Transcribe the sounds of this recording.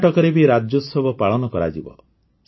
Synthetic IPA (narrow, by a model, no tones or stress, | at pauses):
ʈɔkɔɾebiɾad͡ʒɔsɔbʱɔpaɭɔnɔkɔɾa̰d͡ʒibɔ̰